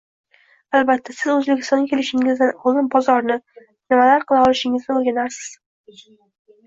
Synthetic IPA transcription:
albat̪ʰːasɪzɵzbekʲɪ̥st̪ɒŋɡʲakʲʰelɪʃɪŋɪzd̪anɒlˠd̪ɪnbɒzɒɾnɪ | nɪmalaɾqʰɨlˠaɒlˠɪʃɪŋɪzd̪aolɡʲanaɾsɪ̥z̥

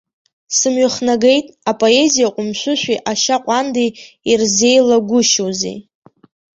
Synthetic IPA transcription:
sɨmɥʏχnaɡejtʼapʼo̞e̞zijaqʷʼʊmʃʷʊʃʷᶣiʔaʃaqʷʼande | irze̞jlaɡʷʊʃowzḭ

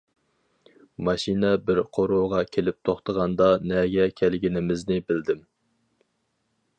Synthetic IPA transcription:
mɑʃinɛbɪɾqʰoɾoːʁɑkʲʰelɪp̚t̪ʰoχt̪ʰəʁɑnd̪ɑnɛɡʲɛkʲʰælɡʲinɪmɪznɪbɪld̪ɪm

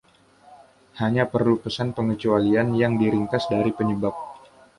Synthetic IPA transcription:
haɲapərlupəsanpəŋət͡ʃualianjaŋdiɾiŋkasdaɾipəɲəbap̚

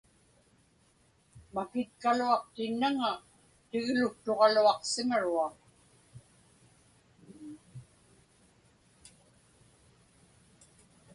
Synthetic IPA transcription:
makɪt̪̚kaluɑq̚t̪ɪnːaŋa | t̪ɪɣlʊk̚t̪o̞ʁɑluɑqsɪmaɻuɑq

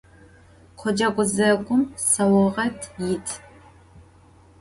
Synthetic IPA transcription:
qʷʰɔd͡ʒɐɡʷʊzɐɡʷʼʊmsɐwɔʁɐtʰjɪtʰ

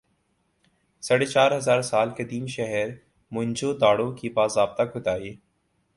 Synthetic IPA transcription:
sɐɽet͡ʃaːɾɦɐzaːɾsaːlkɐd̪iːmʃɛɦɛɾ | mʊ̃ɲd͡ʒoːd̪aːɽõkibaːsaːb̚t̪akʊt̪aːeː

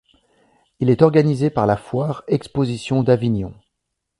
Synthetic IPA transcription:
ilɛt̪ɔʁɡanizepaʁlafwaʁɛkspozisjɔ̃d̪avinjɔ̃

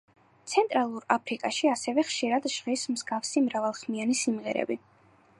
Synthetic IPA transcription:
t̪sʰɛnt̪ʼɾalˠuɾapʰɾikʼaʃiasɛvɛχʃiɾad̪ʒʁismzɡafsimɾavalˠχmianisimʁɛ̰ɾɛ̰bi

